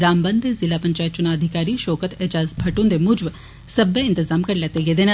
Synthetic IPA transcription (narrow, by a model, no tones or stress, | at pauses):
ɾaːmbɐ̃nd̪ezɪlapɐ̃ɲt͡ʃaːjət̪̚t͡ʃʊnaːɐd̪ʱɪkaːɾiʃɔːkət̪eːd͡ʒaːzbʱɐʈʊ̃nd̪emʊd͡ʒʋ | sɐbeɪ̃nt̪ɪzaːmkɐɾleːt̪eɡed̪en